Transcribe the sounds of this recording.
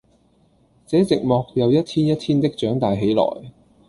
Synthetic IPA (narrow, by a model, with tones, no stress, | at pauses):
t͡sɛː˨˥t͡sɪ˨k̚mɔː˨˧k̚jɐ˨˧wjɐ˥t̚t̪ʰiː˥njɐ˥t̪ʰiː˥nt̪ɪ˥k̚t͡ʃœː˨˥ŋt̪aː˨jɦe˨˥jlɔ̰ː˨˩j